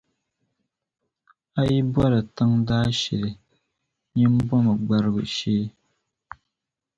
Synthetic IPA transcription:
a˦ji˦bwɔ˦ɾɨ˨tɨ˦ŋdaː˦ʃɛ̰˨lɨ˨ | ɲɛ˦m˦bɔ˦mɨ˨ɡ͡ba˦ɾɨ˦ɡɨ̰˨ʃeː˦

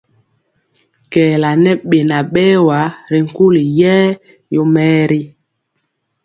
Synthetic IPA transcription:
kɛː˨la˨nɛ˦ɓe˨na˨ɓɛː˦wa˨˦ɾi˨ŋ̩˨ku˦li˨jɛ˦ | jo˦mɛː˦ɾi˦

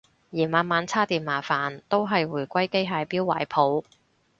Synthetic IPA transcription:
jiː˨˩maː˨˧nmaː˨˧nt͡sʰaː˥t̪iː˨nmaː˨˩faː˨nt̪o˥wɦɐ˨jwuː˨˩jkʷɐ˥jke˥jɦaː˨˧jpiː˥wa̰ː˨˩jpʰo˨˥w

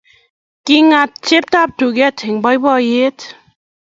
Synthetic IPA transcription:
ki˧ŋa˧t̪̚t͡ʃe˦p̚t̪a˦p̚t̪u˨ɡɛ˦t̪ʰe˨ŋba˧˦jbɔ˧je˦t̪

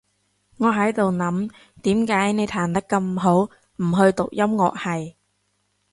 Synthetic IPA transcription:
ŋɔː˨˧ɦɐ˨˥jt̪o˨wnɐ˨˥m | t̪iː˨˥mkaː˨˥jne˨˧jt̪ʰaː˨˩nt̪ɐ˥kːɐ˧mɦo˨˥w | m̩˨˩ɦɵ˧ɥt̪ʊ˨k̚jɐ˥mŋɔ̰ː˨k̚hɐ˨j

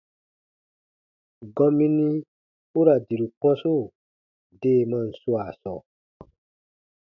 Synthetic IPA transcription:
ɡɔ̃˧mĩ˦nĩ˦ | u˦ɾa˨di˨ɾu˨k͡pɔ̃˦su˦˨ | deː˦˨mã˧n̩˨su˦a˨sɔ̰˨

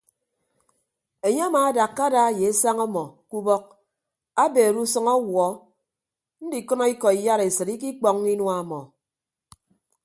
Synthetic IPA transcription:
e˨ɲe˦a˦maː˨a˦da˨kːa˦da˦˨je˨e˦sa˦ŋɔ˦mɔ˨ku˦bɔ˦k̚ | a˦beː˨ɾu˦sɔ˦ŋɔ˦wɔ˨˦ | n̩˦di˨kɔ˦nɔ˦i˦kɔ˨i˨ja˦ɾe˨sɨ˨ɾi˦ki˦k͡pɔ˨ŋ˦i˦nwa˦˨mɔ˨

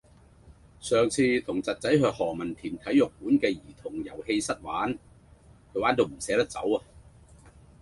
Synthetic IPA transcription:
sœː˨ŋt͡sʰiː˧t̪ʰʊ˨˩ŋt͡sɐ˨t̚t͡sɐ˨˥jɦœː˧k̚hɔː˨˩mɐ˨˩nt̪ʰiː˨˩nt̪ʰɐ˨˥jːʊ˨k̚puː˨˥nkɛː˧jiː˨˩t̪ʰʊ˨˩ŋjɐ˨˩whe˧jsɐ˥t̚waː˨˥n | kʰɵ˨˧˥waː˨˥nt̪o˨˧wm̩˨˩sɛː˨˥t̪ɐ˥t͡sɐ̰˨˥wa˧

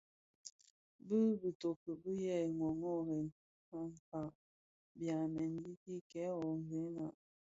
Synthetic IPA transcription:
bə˦bə˨to˨kə˨bə˦jɛ˦˨ŋwɔ˨ŋɔ˦˨ɾɛ˨n˨˦ma˦˨ŋ̩˨ka˨ | bja˨nɛ˨n˦di˦ki˦kɛ˨˦ɔ˨ŋ˨ve˨˦na˨

